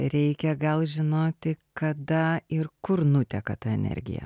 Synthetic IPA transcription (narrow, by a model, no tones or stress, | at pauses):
ɾʲɛɪkʲɛɡɐlˠʒʲɪnoːt̪ʲɪkɐd̪ɐɪɾkʊɾnʊt̪ʲɛkɐt̪ɐɛnʲɛ̰ɾʲɡʲɪ̰jɛ̰